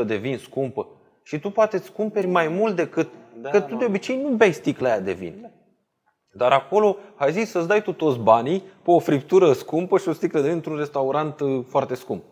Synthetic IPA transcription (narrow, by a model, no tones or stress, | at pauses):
əd̪e̞vinskumpə | ʃit̪upoat̪e̞t̪skumpe̞ɾʲmajmult̪̚d̪e̞kɨt̪̚kət̪ud̪eo̞bit͡ʃe̞jnuvajst̪iklajad̪e̞̰vḭn | d̪aɾako̞lo̞ajzisʲsəsd̪ajt̪ut̪o̞t̪sbanipeofɾip̚t̪uɾəskumpəʃio̞st̪ikləd̪e̞inɨnt̪ɾunre̞st̪auɾant̪foart̪e̞skump̚